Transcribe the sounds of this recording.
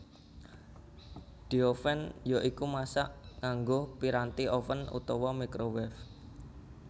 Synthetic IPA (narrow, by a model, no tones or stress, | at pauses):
d̪̥i̤ofɛnjoʔikumasa̰ʔŋaŋɡopiɾant̪iofənṵt̪ɔwɔmikɾowɛf